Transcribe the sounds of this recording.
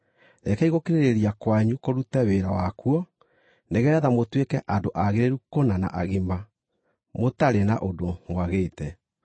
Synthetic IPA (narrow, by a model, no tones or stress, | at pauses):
ɾɛkɛiɣokeɾeɾeɾiakwaɲukoɾutɛweɾawakuɔ | neɣɛɾɛðamotwekɛʔandoʔaɣeɾeɾukonana̰ʔaɣima | motaɾenaʔodomwaɣetɛ